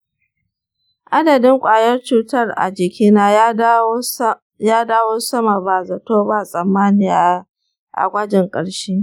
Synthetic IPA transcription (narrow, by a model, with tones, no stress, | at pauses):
ʔa˦dɐ˨dɪ˦ŋkʷʼaː˨jɐ˦rt͡ʃuː˦tɐ˦˨rʔa̰˨d͡ʒɪ˨kʲiː˦naː˦ | jaː˦daː˦woː˦sɐ˦ma˨ba˨zɐ˨toː˦ba˦˨sʼɐ˨mːaː˦nɪ˨ja˨˦ | ʔa̰˨ɡʷa˦d͡ʒɪ˨ŋkʼɐ˨ɽʃiː˦